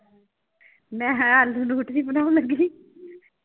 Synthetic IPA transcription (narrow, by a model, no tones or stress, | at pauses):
mɛ̃ːalːuːnuːʈd̪iːbənaːʋləɡiː